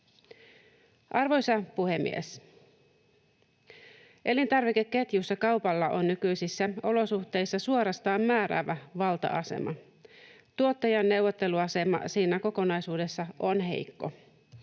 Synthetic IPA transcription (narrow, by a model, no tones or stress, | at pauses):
ʔɑrʋo̞jsɑpuhe̞mːḭḛs | ʔe̞lint̪ɑrʋikekːe̞t̪jusːɑkɑwpɑlːɑʔonːykyjsisːæo̞lo̞suht̪e̞jsːɑsuoɾɑst̪ɑːmmæːɾæ̰ʋæʋɑlt̪ɑ̰ʔɑse̞̰mʔɑ̰ | t̪uo̞t̪ːɑjɑnːe̞wʋot̪ːe̞luɑse̞mɑ̰siːnæko̞ko̞nɑjsuːde̞sːɑonɦe̞̰jkːo̰